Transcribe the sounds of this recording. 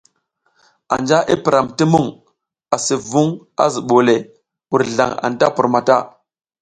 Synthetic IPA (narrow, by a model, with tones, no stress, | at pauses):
a̰˨nd͡ʒa˦ʔi˦pi˨ɾa˨mti˦mu˦˨ŋ | a˨si˨vu˦ŋ | a̰˦zi˨ɓo˨le˨ | wu˨ɾɮa̰˨ŋa̰˨nta˦pu˨ɾma˨ta˦˨